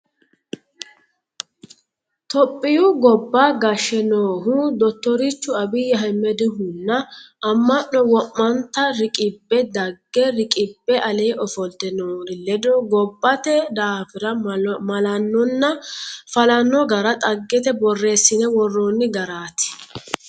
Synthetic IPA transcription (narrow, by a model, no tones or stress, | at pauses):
t̪ɔpʼːɪjuɡɔbːaɡɐʃːɛnoːɦʊd̪ɔt̪ːɔɾɪt͡ʃːʊɐbɪjɐɦɛmːɛd̪ɪɦʊnːɐʔɐmːɐnːɔwɔmːɐnt̪ɐɾɪkʼɪbːɛd̪ɐɡːɛɾɪkʼɪbːɛʔɐleːʔɔfɔlt̪ɛnoːɾɪlɛd̪oːɡɔbːɐt̪ɛd̪aːfɪɾɐmɐlɐnːɔnːɐfɐlɐnːɔɡɐɾɐt̪ʼɐɡːɛt̪ɛbɔrːe̞ːsːɪnɛwɔrːonːɪɡɐɾaːt̪ɪ̥